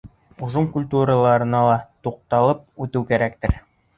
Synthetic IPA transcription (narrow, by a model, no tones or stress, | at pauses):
uʒɤŋkulʲt̪uɾəlˠɑɾɤ̆nɑlˠɑt̪uq̚t̪ɑlˠɤp̚ʉt̪ɘwkæɾækt̪ɘɾ